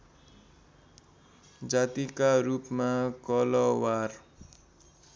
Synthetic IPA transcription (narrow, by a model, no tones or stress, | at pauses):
d͡zat̪ikaɾupmakʌlʌwar